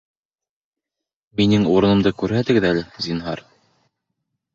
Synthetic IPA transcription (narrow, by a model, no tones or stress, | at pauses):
minɘŋuɾɤ̆nɤ̆md̪ɤkʉɾɦæt̪ɘ̆ɡɘðælɘzinɦɑ̰ɾ